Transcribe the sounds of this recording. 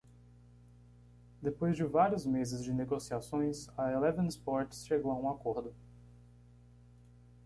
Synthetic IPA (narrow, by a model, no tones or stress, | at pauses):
d̪epojzd͡ʒɪvaɾijʊzmezɪzd͡ʒɪneɡosiasõj̃sɐelɛvɐ̃nspɔɾt͡ʃsʃeɡowɐũakoɾd̪ʊ